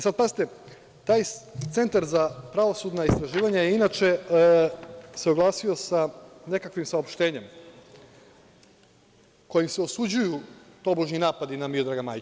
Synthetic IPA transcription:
isad̪̚pazit̪e | t̪aːjt̪se̞nt̪aɾzapɾaʋosud̪naist̪ɾaʒiːʋaɲajeinaːt͡ʃe | seoɡlˠaːsio̞sane̞kakʋimsao̞pʃt̪e̞ːɲe̞m | ko̞jimseosud͡ʑujut̪o̞boʒninaːpad̪inamiod̪ɾaɡama̰ːj

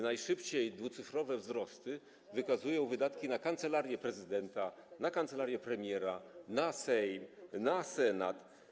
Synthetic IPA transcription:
najʂɘpt͡ɕejd̪vut̪sɘfɾɔvɛvzɾɔst̪ɘ | vɘkazujɔ̃w̃vɘd̪at̪kʲinakant̪sɛlaɾjɛpɾɛzɘd̪ɛnt̪anakant̪sɛlaɾjɛpɾɛmʲjɛɾanasɛjmnasɛnat̪

